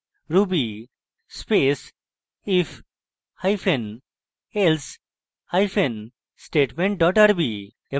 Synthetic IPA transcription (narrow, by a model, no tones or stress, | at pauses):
ɾubi | speːs | if | haɪfẽn | els | haɪfẽn | sʈeːʈmẽɳʈ̚ɖɔːʈəɾbi | e